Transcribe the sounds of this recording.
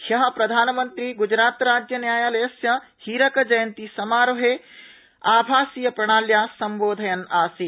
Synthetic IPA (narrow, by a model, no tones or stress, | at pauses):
hɐɦɐ̆pɾɐd̪ʱaːnɐmɐnt̪ɾiɡud͡ʒɾaːt̪ɾaːd͡ʒjɐnjaːjaːlɐjɐsjɐhiːɾɐkɐd͡ʒɐjɐnt̪isɐmaːɾoɦe | aːbʱaːsijɐpɾɐɽ̃aːljaːsɐmboːd̪ʱɐjɐnaːsi